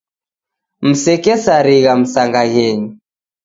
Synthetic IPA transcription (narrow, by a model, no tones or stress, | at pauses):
m̩sɛkɛsaɾiɣam̩saŋɡaɣɛɲi